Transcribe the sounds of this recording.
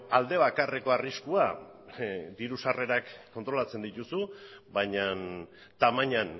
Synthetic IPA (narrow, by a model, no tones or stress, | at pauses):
ald̪e̞βakare̞ko̞ariskua | d̪iɾusare̞ɾakːo̞nt̪ɾo̞lat͡se̞nd̪it̪usuβajɲan | t̪amaɲan